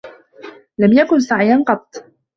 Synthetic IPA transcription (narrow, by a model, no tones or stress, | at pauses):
lamjakʊnsaʕiːanqɑt̪ˤː